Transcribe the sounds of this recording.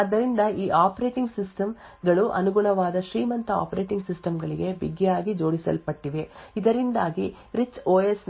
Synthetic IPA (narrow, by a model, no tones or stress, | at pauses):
ɐd̪ːɐɾind̪ɐʔiːʔaːpɐɾe̞ːʈiŋɡsisʈɐm | ɡɐɭuʔɐ̰nuɡuɳɐʋaːd̪ɐʃɾiːmɐnt̪ɐa̰ːpɐɾeːʈiŋɡsisʈɐmɡɐɭiɡe̞biɡːɛjaːɡid͡ʒo̞ːɽisɐ̰lpɐʈːiʋe̞id̪ɐɾind̪aːɡi | ɾit͡ʃːoːesn